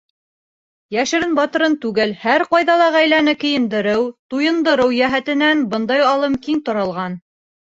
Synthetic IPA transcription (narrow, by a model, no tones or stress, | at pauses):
jæʃɘ̆ɾɘnbɑt̪ɤ̆ɾɤnt̪ʉɡælhæɾqɑjðɑlˠɑʁæjlænɘkɘ̆jɘ̆nd̪ɘ̆ɾɘwt̪ujɤ̆nd̪ɤ̆ɾɤwjæɦæt̪ɘ̆nænbɤnd̪ɑjɑlˠɤmkiŋt̪ŏɾɑ̆lˠʁɑn